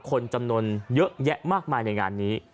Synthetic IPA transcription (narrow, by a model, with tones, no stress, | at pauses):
kʰo˧nt͡ɕa˧mnu˧ənjɤ˦˥ʔjɛ˦˥ʔmaː˥˩k̚maː˧jna˧jŋa̰ː˧nːiː˦˥